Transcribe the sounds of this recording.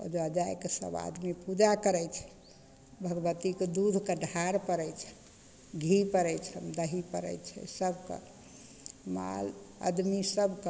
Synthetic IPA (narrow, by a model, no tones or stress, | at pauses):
ɔ̰d͡ʒad͡ʒajkesə̰ba̰d̪mipud͡ʒakəɾɛjt͡ʃʰɛ̥ | bʱəɡbət̪iked̪ud̪ʱkeɖʱaɾpəɾɛjt͡ʃʰɛ̥ | ɡʱipəɾɛjt͡ʃʰəmd̪əɦipəɾɛ̰jt͡ʃʰɛ̰səbʱkḛ | ma̰lə̰d̪misəbʱk